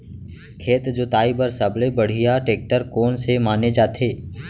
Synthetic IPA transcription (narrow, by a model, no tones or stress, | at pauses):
kʰeːt̪d͡ʒʊt̪aːibəɾsɐblebɐɽ̤ijaʈeːk̚ʈəɾkoːnsemaːned͡ʒaːt̪ʰeː